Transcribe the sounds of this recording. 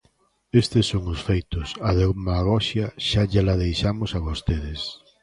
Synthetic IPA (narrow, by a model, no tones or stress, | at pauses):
est̪esːoŋʊsfejt̪ʊsaðomaɣɔʃjɐʃaʝalaðejʃamʊsaβost̪eðɪs